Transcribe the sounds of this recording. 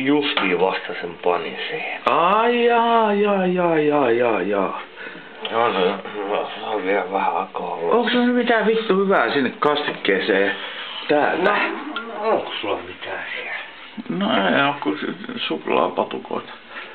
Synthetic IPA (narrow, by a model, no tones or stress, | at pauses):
just̪iːʋɑst̪ɑsempɑnḭnsiːhenɑiɑjɑːijɑjɑːjɑːjɑː | jɑsɑɑssɑʋʋiælʋæhæɑkɑːˑolːoŋksulːnymit̪æːʋit̪ːuhyʋæːsinːekkɑst̪ikːeːseːt̪æːlt̪æ | oŋkosulːɑmit̪æːsiæl | noeiokkussuklɑ̰ːpɑt̪uko̰ˑit̪ɑ̥